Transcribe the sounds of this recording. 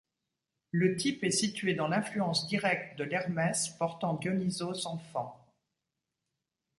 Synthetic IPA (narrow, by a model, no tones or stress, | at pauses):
lət̪ipɛsit̪ɥed̪ɑ̃lɛ̃flyɑ̃sd̪iʁɛk̚t̪d̪əlɛʁmɛspɔʁt̪ɑ̃ɡjɔnizosɑ̃fɑ̃